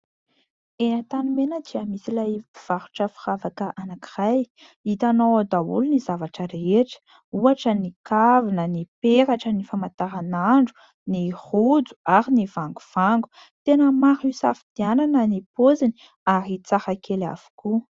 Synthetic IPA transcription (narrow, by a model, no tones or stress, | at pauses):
enat̪anumenəd̪iamisilajiv̥aɾu̥ʈ͡ʂəfi̥ravakəʔanaki̥raj | it̪anowad̪aṵlunizavaʈ͡ʂəɾeʈ͡ʂə̥ | uaʈ͡ʂənikavinənipeɾaʈ͡ʂənifamat̪aɾanaɳɖ͡ʐu̥ | nihud͡zu̥aɾinivaŋɡuv̥aŋɡu̥ | t̪enəmaɾisafid̪̥iananənipozini̥ | aɾit͡sahakela̰v̥u̥ku